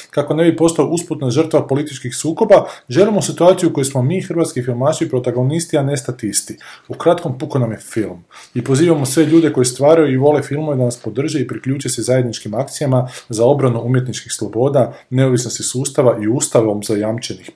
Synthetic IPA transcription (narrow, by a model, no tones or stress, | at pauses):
kako̞ne̞bipo̞st̪ooʔusput̪naʒər̩t̪ʋapo̞lit̪it͡ʃkixsuːko̞baʒe̞limosit̪uaːt̪sijuko̞jesmo̞miːxr̩ʋaːt̪skifilˠmaʃiipɾo̞t̪aɡo̞nist̪iane̞st̪at̪ist̪iukɾat̪ko̞mpukonamje̞filˠm | ipo̞ziːʋamo̞sʋe̞ʎuːd̪e̞ko̞jest̪ʋaːɾajuiʋo̞lefilˠmoʋed̪anaspo̞d̪r̩ʒeipɾikʎuːt͡ʃesezaje̞d̪nit͡ʃkimakt̪sijamazao̞bɾanuumje̞t̪nit͡ʃkixslˠo̞bo̞ːd̪ane̞oʋisno̞st̪isuːst̪aʋaʔiuːst̪aʋo̞mzajamt͡ʃe̞nix